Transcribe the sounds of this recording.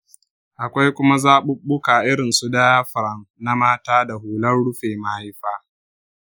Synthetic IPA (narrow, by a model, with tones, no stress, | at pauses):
ʔa˨kʷa˦jkʷʊ˦ma˦zaː˦ɓʊ˦ɓʊ˦kaː˨ʔɪ˦ɽɪ˨nsu˦daː˦jaː˦ɸɐ˨ɾɐ˦ŋna˦maː˦taː˦da˨huː˨lɐ˦rɽʊ˦ɸeː˨ma˨ha˦jɸaː˦